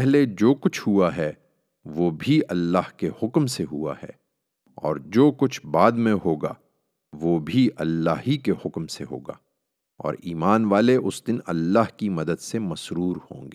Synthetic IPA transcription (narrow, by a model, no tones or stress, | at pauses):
pɛɦled͡ʒoːkʊt͡ʃʰɦuaɦɛ | ʋoːbʱiʔɐlːaːhkehʊkmseɦua̰hɛ̰ː | ɔ̰ːɾd͡ʒoːkʊt͡ʃʰbaːd̪mẽɦoːɡa̰ː | ʋoːbʱiʔɐlːaːɦikehʊkmseɦo̰ːɡa̰ː | ɔ̰ːɾiːmaːnʋaːleʔʊsd̪ɪnɐ̰lːaːɦkimɐd̪əd̪semɐsʃɾuːɾhõ̰ːŋɡeː